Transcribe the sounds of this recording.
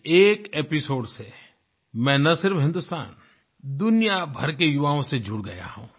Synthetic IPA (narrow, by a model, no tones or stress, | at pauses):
eːkeːpɪsoːɖse | mɛ̃ːnɐsɪɾfɦɪ̃nd̪ʊst̪a̰ːn | d̪ʊnijabʱɐɾkejʊʋaːõsed͡ʒʱʊɽɡɐ̰ja̰ɦṵ̃ː